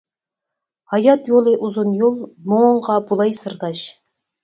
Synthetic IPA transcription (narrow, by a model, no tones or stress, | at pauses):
hɑjɑt̪jolˠɨʔuzunjolˠmoɴʁɑbulˠɑjsɨɾd̪ɑʃ